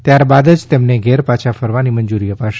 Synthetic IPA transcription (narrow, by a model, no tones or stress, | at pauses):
t̪jaɾbad̪əd͡ʒt̪emneɡʱɛɾpat͡ʃʰafəɾʋaniməɲd͡ʒuɾiəpaʃe